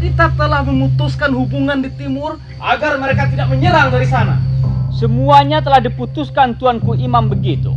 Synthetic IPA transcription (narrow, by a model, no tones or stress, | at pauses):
kit̪at̪əlahməmut̪uskanhubuŋandit̪imʊr | ʔaɡarməɾekat̪idak̚məɲəlaŋdaɾisana̰səmuaɲat̪əlahdiput̪uskant̪uankuimambəɡit̪ṵ